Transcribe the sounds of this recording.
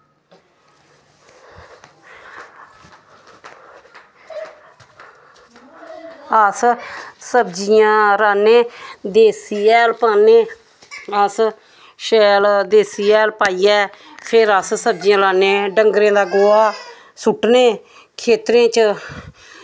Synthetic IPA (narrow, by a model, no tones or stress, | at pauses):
əssəbd͡ʒɪjãːɾaːneːd̪eːsiːɛːlpaːneː | əs | ʃɛːld̪eːsiːɛːlpaːiːɛːpʰɪɾəssəb̚d͡ʒɪjãːɾaːneːɖəŋɡɾẽːd̪aːɡoːaː | sʊʈneː | kʰeːt̪ɾẽːt͡ʃ